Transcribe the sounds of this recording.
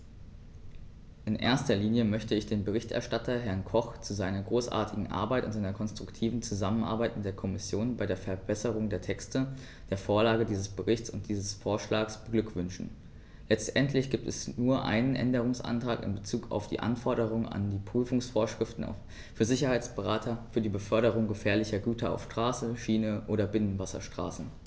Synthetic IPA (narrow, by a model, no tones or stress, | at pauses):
ʔɪnʔḛːɐstɐliːnjəmœçtəɪçd̥eːnbəʁ̞ɪçtʔɛ̰ɐʃtatɐɦɛɐnkʰɔχt͡suzaɪnɐɡʁoːsʔa̰ːɐtʰɪɡŋ̩ʔa̰ɐbaɪtʊntzaɪnɐkʰɔnstʁ̥ʊktʰiːvn̩t͡suzamənʔa̰ɐbaɪtmɪt̚d̥eːɐkʰɔmɪsjoːnbaɪɾdeːɐfɛɐbɛsəʁ̞ʊŋdeːɐtʰɛkstə | d̥eːɐfoːɐlaːɡədiːzəsb̥əʁɪçt͡sʊ̰ntd̥iːzəsfoːɐʃlaːksb̥əɡlʏkv̥ʏnʃn̩ | lɛt͡stʔɛntʰlɪçɡ̥iːp̚tɛ̰snuːɐʔa̰ɪnənʔɛ̰ndəʁ̞ʊŋsʔa̰ntʁ̥aːkɪ̰nbət͡suːkʰa̰ʊfd̥ḭːʔa̰nfɔɐɾəʁ̞ʊŋa̰ndiːpʁ̥yːfʊŋsfoːɐʃʁ̥ɪftn̩a̰ʊf | fyːɐzɪçɐhaɪt͡sb̥əʁaːtʰɐfyːɐdiːbəfœɐɾəʁ̞ʊŋɡəfɛːɐlɪçɐɡyːtʰɐʔa̰ʊfʃtʁ̥aːsəʃiːnəʔoːɾɐbɪnənvasɐ̰ʃtʁ̥a̰ːsn̩